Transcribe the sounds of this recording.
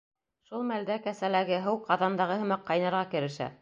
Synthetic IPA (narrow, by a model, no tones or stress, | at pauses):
ʃulˠmæld̪ækæsælæɡɘɦɤwqɑðɑnd̪ɑʁɤɦɤ̆mɑqːɑjnɑɾʁɑkɘ̆ɾɘ̆ʃæ̰